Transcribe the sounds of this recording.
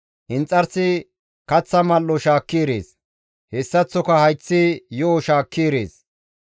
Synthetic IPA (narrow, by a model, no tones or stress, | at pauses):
ʔɪnt͡sʼːɐɾsɪ | kɐt͡sːɐmɐlːɔʃaːkːiːɾḛːs | hɛsːɐt͡sːɔkɐhɐjt͡sːɪjɔɔʃaːkːiːɾḛːs